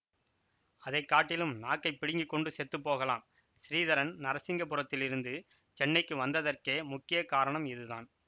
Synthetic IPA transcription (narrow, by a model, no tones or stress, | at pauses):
ɐðɐɪkːaːʈːɪlɯmnaːkːɐɪpːɪɽɪŋɡɪkːɔɳɖɯsɛt̪ːɯpːoːɣɐla̰ːm | sɪɾiːðɐɾɐnnɐɾɐsɪŋɡɐpːɯɾɐt̪ːɪlɪɾɯnd̪ɯ | t͡ʃɛnːɐɪkːɯʋɐnd̪ɐðɐrkeːmʊkːɪjɐkaːɾɐɳɐmɪðɯða̰ːn